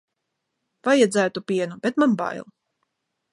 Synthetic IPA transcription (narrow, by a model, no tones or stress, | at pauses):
vajad̪zæːt̪upʲiɛnubɛt̪manba̰jlˠ